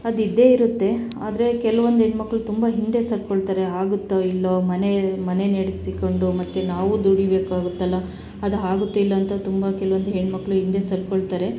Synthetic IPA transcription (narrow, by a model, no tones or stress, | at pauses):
ɐd̪id̪ːe̞iɾut̪ːe̞ | a̰ːd̪ɐɾe̞kɛlɐʋond̪ɦeɳmɐkːɐɭut̪umbɐɦind̪e̞sɐɾkoɭt̪aːɾe̞ɦaːɡut̪ːɐilːomɐne̞mɐne̞neɽisiko̞ɳɖumɐt̪ːenaːʋud̪uɽibe̞ːkaːɡut̪ːɐlːɐ | ɐd̪ɐɦaːɡut̪ːɐilːɐːnt̪ɐt̪umbɐkɛlɐʋond̪uɦeɳmɐkːɐɭuɦind̪e̞sɐɾkoɭt̪aːɾe̞